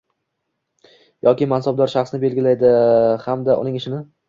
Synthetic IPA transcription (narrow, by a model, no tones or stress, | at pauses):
jɒkʲɪmansab̚d̪ɒɾʃaχsnɪbe̞lɡʲɪlajd̪ɪhamd̪aʔʊ̰nɪŋɪʃɪnɪ